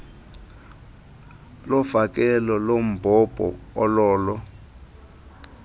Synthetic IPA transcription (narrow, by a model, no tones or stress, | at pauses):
lɔfak̬ʼɛlɔlom̩bʱɔb̥ʱʼɔ̰ːlɔːlɔ